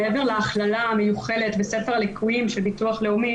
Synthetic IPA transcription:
eeveʁleaχlalamejuχe̞detbese̞feʁalikʰuimʃelbituaχle̞umi

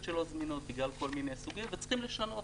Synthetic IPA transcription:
ʃelozminot̪biɡlalko̞lminejsuɡimvet͡sχimleʃano̞

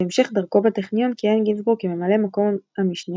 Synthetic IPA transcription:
eemʃeχdaʁko̞bateχnijonkienɡinsbʁukime̞male̞mako̞mhamiʃni

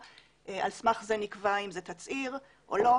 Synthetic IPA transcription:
ʔealsmaχzenikvaimzet̪at͡siʁ | ʔolo

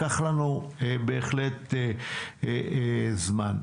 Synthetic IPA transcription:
aχlanubeːχlet̪e | zman

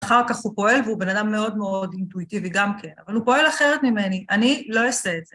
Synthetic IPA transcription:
aχaʁkaχhupo̞e̞lveube̞nadamːe̞o̞dme̞o̞dintuitiviɡamke̞na̰valhupo̞e̞laχe̞ʁe̞t̪mimeniʔanilo̞oseːtz̥e

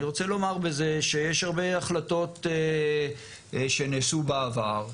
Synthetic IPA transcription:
iʁo̞t͡selo̞maʁbeze̞ʃejeʃaʁbe̞aχlato̞te | ʃe̞nesubaavaʁ

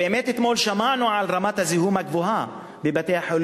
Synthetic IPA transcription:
eʔemet̪et̪molʃamanuʕalʁamat̪haziɦumaɡvoɦa | bebat̪ejaħol

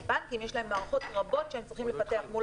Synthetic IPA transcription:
bankimjeʃlahemaːʁaχot̪ʁabo̞tʃeemt͡sʁiχimlefat̪e̞aχmu

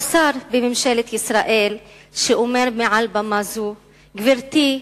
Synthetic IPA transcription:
saɾbemimʃelet̪isʁaʔel | ʃeʔomeʁmeʕalbamazu | ɡviʁt̪i

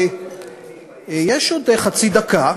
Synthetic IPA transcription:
jeʃod̪eχat͡sid̪aka

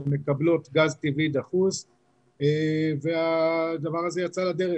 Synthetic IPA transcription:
me̞kablo̞t̪ɡazt̪ivid̪aχuz | evead̪avaʁazejat͡salad̪eʁe

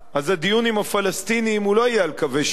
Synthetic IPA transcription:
ʔazad̪ijunimhafalast̪iniːmulo̞ajealkaveʃ

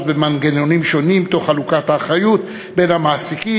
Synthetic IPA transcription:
tbemanɡenonimʃo̞nimbt̪o̞χalukathaːχajut̪ | be̞nhamaːsiki

